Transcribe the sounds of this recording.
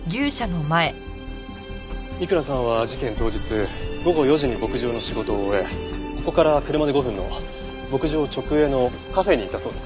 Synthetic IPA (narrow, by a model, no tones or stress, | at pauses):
ɡʲɨːɕano̞mae̞ | ikɯ̟ɾasãɰ̃β̞ad͡ʑikẽ̞nt̪o̞ːd͡ʑit͡sɨɡo̞ɡo̞jo̞ʑiɲ̟ibo̞kɯ̟ʑo̞ːno̞ɕiɡo̞t̪o̞ːeko̞ko̞kaɾakɯɾɯ̟mad̪eɡo̞ɸɯ̟̃nːo̞̰ | bo̞kɯ̟ʑo̞ːt͡ɕo̞kɯ̟e̞no̞ | kaɸe̞ɲ̟iːt̪ːaso̞ːd̪e̞s